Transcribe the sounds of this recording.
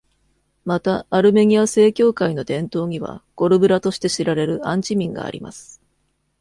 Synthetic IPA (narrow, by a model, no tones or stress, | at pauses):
mat̪aːɾɯ̟me̞ɲ̟iase̞ːkʲo̞ːkaino̞d̪ẽ̞nt̪o̞ːɲ̟iβ̞a̰ɡ̥o̞ɾɯ̟bɯ̟ɾat̪o̞ɕi̥t̪e̞ɕiɾaɾe̞ɾɯ̟ãɲ̟t͡ɕimʲĩŋɡa̰ːɾʲḭma̰sɨ̥